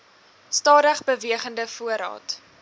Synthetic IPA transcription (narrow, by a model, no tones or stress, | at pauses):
stɑːdəχbəviəχəndəfuəɾɑ̰ːt